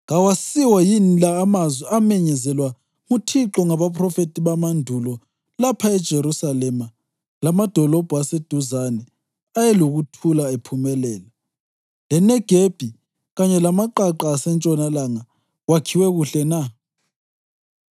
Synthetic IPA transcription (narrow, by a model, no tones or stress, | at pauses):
ɣawasiwajinlaːmazwɛamɛɲɛzɛlwa | mutʰiǁɔŋaβapʰʼrɔfetʼiβamandʱulɔ | lapʰaɛd̥ʒ̥ʱeɾusalɛma | lamad̥ʱɔlɔb̥ʱuased̥ʱuzanɛ | ajɛloɣutʰulaepʰumɛlɛːla | lɛnɛɡ̥ʱeb̥ʱi | ɣaɲɛlamaǃaǃaːsɛnt͡ʃʼɔnalaŋa | wakʰiwɛɣuɬɛna